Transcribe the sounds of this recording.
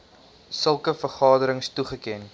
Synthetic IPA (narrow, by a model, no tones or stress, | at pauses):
səlˠkəfərχɑːdəɾəŋstuχəkɛn